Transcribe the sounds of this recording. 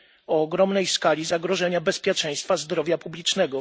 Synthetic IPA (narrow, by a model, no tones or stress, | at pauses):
ɔːɡɾɔmnɛjskalʲizaɡɾɔʐɛɲabɛspʲjɛt͡ʂɛj̃st̪fazd̪ɾɔvʲjapublʲit͡ʂnɛɡɔ